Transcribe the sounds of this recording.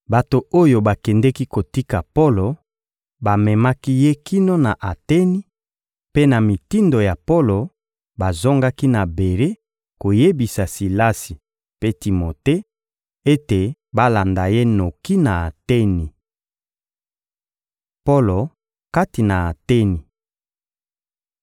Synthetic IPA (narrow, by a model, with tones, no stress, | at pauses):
ba˨to˨o˦jo˨ba˨kɛ˨ndɛ˦ki˦ko˨ti˦ka˨po˦lo˨ | ba˨mɛ˨ma˦ki˦je˦kʰi˦no˦na˨ʔa˨tɛ˦ni˨ | pe˦na˨mi˨ti˦ndo˨ja˨po˦lo˨ | ba˨zo˦ŋɡa˦ki˦na˨be˨ʁe˦ | ko˨je˦bi˨sa˨si˨la˦si˨ | pe˦ti˨mo˨te˦ | e˦te˨ba˦la˨nda˨je˦no˨ki˦na˨a˨tɛ˦ni˨ | po˦lo˨ | ka˦ti˨na˨a˨tɛ˦ni˨